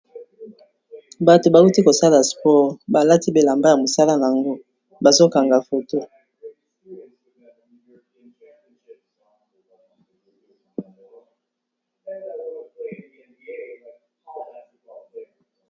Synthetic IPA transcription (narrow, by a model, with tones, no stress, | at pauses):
ba˨to˨ba˨u˦ti˦ko˨sa˦la˨spɔ˦˨ʁba˨la˦ti˦be˨la˨mba˦ja˨mo˨sa˦la˦na˨a˨ŋɡo˦ | ba˨zo˦ka˨ŋɡa˨fo˨to˦